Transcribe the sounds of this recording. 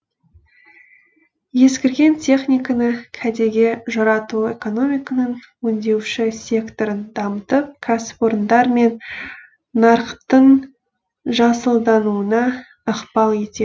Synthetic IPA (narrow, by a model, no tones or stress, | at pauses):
je̞skʲɪɾɡʲe̞nt̪ʲʰe̞χnʲijkanəkʲʰæd̪e̞ɡʲe̞ʒɑɾɑt̪ue̞̰ko̞no̞mʲijkanəɴ | wɵnd̪e̞wʃɪsʲe̞kt̪o̞ɾənd̪ɑmət̪əp̚kʰaspoɾnd̪ɑɾme̞nː | ɑɾqt̪əɴ | ʒɑsəlˠd̪ɑnuənɑ | əqpɑlˠje̞t̪e